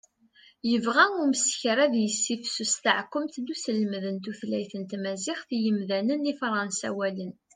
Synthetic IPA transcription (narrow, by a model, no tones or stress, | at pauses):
jəvʁæuməsçɾæðjəsːifsust̪əʕkːʊmt̪d̪usəlmðənt̪uθlæjθənt̪mæzɪχθijəmðænənifɾˤɑnsæ̰wælən